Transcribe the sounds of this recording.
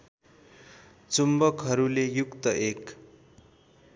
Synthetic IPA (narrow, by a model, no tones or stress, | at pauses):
t͡sumbʌkɦʌɾulejukt̪ʌʔek